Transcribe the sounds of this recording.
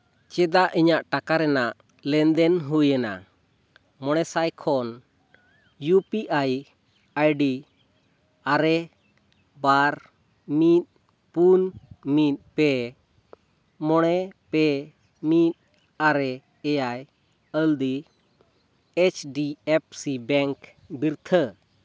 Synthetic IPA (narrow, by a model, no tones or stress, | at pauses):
t͡ʃɛd̪aʔiɲaʔʈakaɾɛnaʔ | lɛnd̪ɛnɦujɛna̰ | mɔɽ̃ɛsajkʰɔn | jupiʔaj | ajɖi | aɾɛ | baɾ | mit̪̚ | punmit̪̚pɛ | mɔɽ̃ɛpɛ | mit̪̚ | aɾɛ | ɛjaj | əld̪i | et͡ʃʰɖiɛp̚sibɛŋk | biɾt̪ʰə